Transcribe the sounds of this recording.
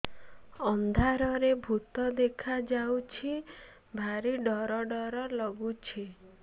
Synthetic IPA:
ɔnd̪ʱaɾɔɾebʱut̪ɔd̪ekʰad͡ʒawt͡ʃʰi | bʱaɾiɖɔɾɔɖɔɾɔlɔɡut͡ʃʰi

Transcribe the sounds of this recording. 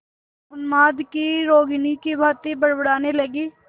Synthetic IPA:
ʊnmaːd̪kiɾoːɡnikibʱaːt̪ibɐɽbəɽaːnelɐɡiː

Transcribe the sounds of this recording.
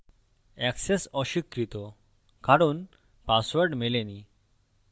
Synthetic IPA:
ɛksesɔɕikɾit̪ɔ | kaɾuːn | pasʋəɾɖmeleni

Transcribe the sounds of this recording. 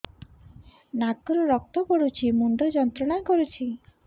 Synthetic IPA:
nakɔɾɔɾɔk̚t̪ɔkɔɽut͡ʃʰimund̪ʱɔd͡ʒɔnt̪ɾɔɽ̃aekɔɾut͡ʃʰi

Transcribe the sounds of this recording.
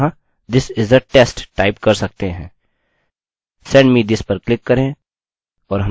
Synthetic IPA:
ã | d̪ɪsɪzəɾʈeːsʈʈaːɪpkɐɾsɐk̚t̪eɦɛ̃ː | sɛ̃ːɳɖmid̪ɪspɐɾklɪkːɐɾẽ | ɔːɾɦɐ

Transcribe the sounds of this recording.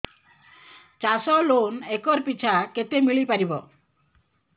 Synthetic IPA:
t͡ʃasɔlonekɔɾpit͡ʃʰaket̪emiɭipaɾibɔ

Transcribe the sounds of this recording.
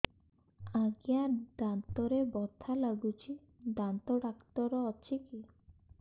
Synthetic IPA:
aɡijaɖant̪ɔɾebɔt̪ʰalaɡut͡ʃʰi | ɖant̪ɔɖakt̪ɔɾɔːt͡ʃʰiki

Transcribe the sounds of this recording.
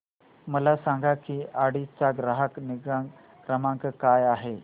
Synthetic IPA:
məlasaŋɡakiːʔaɽit͡saɡɾaɦəkniɡ | kɾəmãŋkəkajaɦe

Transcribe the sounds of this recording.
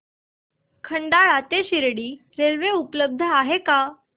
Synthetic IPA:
kʰəɳɖaɭat̪eɕiɾɽiː | ɾeɾʋeupləb̚d̪ʱəaɦeka

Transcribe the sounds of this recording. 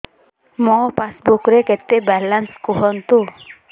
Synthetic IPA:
mɔpasbukɾekɛt̪ːebɛlanskuɦɔnt̪o

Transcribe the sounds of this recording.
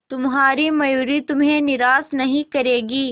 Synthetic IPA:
t̪ʊmɦaːɾimɐjuːɾit̪ʊmɦẽnɪɾaːsnɐɦĩkɐɾeːɡiː

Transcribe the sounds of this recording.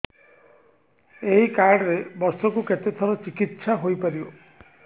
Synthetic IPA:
eɦikaɾɖɾebɔɾsɔkuket̪et̪ʰɔɾɔt͡ʃikit̪saɦojpaɾio

